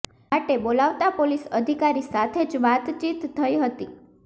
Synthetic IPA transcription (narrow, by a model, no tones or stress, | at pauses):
aʈebolaʋt̪apolisəd̪ʱikaɾisat̪ʰed͡ʒʋat̪t͡ʃit̪ʰːəiɦət̪i